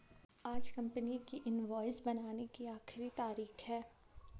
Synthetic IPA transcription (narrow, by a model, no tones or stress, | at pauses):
aːd͡ʒkɐ̃mpənikiʔɪnʋɔːɪzbɐnaːnekiaːxɪɾit̪aːɾiːxɦɛː